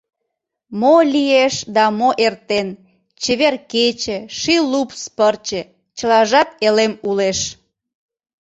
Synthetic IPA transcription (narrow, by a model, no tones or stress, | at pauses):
molʲieʃd̪ɑmoʔert̪en | t͡ɕeβerket͡ɕĕʃilupspərt͡ɕĕ | t͡ɕəlɑʒɑt̪elemuleʃ